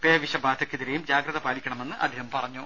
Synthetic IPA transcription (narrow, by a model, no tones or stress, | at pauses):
peːʋiɕɐbaːd̪ʰʱɐkʲːiðiɾejumd͡ʑaːɡɾɐðɐpaːlikʲːɐɳɐme̞nːɨʔɐ̰d̪ʱiɦɐmpɐrɐɲːu